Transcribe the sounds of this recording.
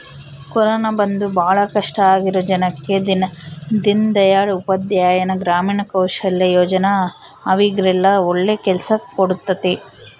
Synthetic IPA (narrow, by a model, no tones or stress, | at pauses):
kɔɾɔːnɐbɐnd̪ubʱaːɐɭɐkɐʂʈɐaːɡiɾod͡ʒɐnɐkːe̞d̪inɐd̪ind̪ɐjaːɭupɐd̪jaːjɐnɐɡɾaːmiːɳɐkɐwʃɐlːɐjoːd͡ʒɐnɐɐʋiɡɾɛlːɐoɭːeːkɛlɐsɐkoɽut̪ːɐt̪e